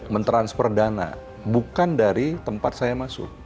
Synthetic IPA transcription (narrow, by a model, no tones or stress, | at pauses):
mənt̪ɾanspɔr̚dana̰ | bukandaɾit̪əmpat̪̚sajamasʊ̰k̚